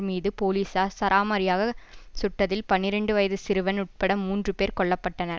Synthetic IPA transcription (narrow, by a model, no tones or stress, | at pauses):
miːðɯpoːliːsaːsɐɾʔaːmɐɾɪjaːɣɐsʊʈːɐðɪlpɐnːɪɾɛɳɖɯʋɐjɐðɯsɪɾɯʋɐnʊʈ̚pɐɽɐmːuːndrɯpeːɾkɔɭːɐpːɐʈːɐnɐɾ